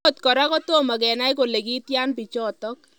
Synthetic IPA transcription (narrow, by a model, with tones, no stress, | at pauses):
o˨t̪kɔ˨ɾakɔt̪o˦mɐ˨ɡɛ˨na˦jkole˨ki˦t̪ja˦npit͡ʃɔt̪ɔk